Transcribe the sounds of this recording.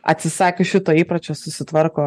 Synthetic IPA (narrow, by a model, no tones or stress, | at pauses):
ɐ̰t̪ʲsʲɪsɑːkʲeʃʲɪt̪oːiːpɾɐt͡ʃʲoːsʊsʲɪt̪ʋɐɾkoː